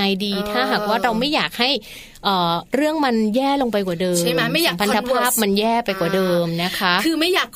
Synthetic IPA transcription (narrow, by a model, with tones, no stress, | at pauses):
a˧jdiː˧t̪ʰaː˥˩ɦaː˨˩k̚waː˥˩ɾa˧wma˥˩jːaː˨˩k̚ha˥˩j | ʔɔː˨˩ɾɯ˥˩əŋma˧njɛː˥˩lo˧ŋpa˧jk̬waː˨˩dɤː˧˥a˥˧ma˥jpʰa˧nt̪a˧pʰaː˥˩p̚ma˧njɛː˥˩pa˧jkwaː˨˩dɤː˧mna˦˥kʰa˦˥ʔkʰɯː˧ma˥˩jaː˨˩k̚